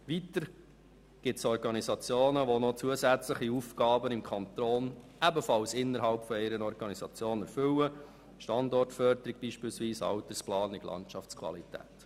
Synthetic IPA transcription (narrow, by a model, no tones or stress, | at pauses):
ʋit̪əɾ | ɡ̥ɪtsɔrɡɑnisɑt͡sjoːnəʋonɔt͡suəsæt͡sləχiufɡɑːbənɪmkʰɔnt̪oːn | æbəfɑlsɪnːəɾɦɑlpfɔɪɾənɔɾɡ̥ɑnisɑt͡sjoːnɛɾfʏlə | ʃtɑndɔrtfœɾd̪əɾiɡ̚b̥iːʃpɪːlsʋiːsɑ̰wtərsplɑːnɪɡ̥lɑ̰nt͡ʃɑft͡skʰvɑ̰litæ̰ːt̪